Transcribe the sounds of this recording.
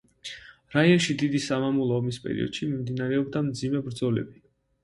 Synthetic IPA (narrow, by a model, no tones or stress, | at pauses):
ɾaiɔnʃid̪id̪isamamulˠɔːmispʼɛ̰ɾḭɔ̰d̪̥ʃimimd̪inaɾɛɔbd̪amd̪zimɛbɾd̪zɔlɛ̰bi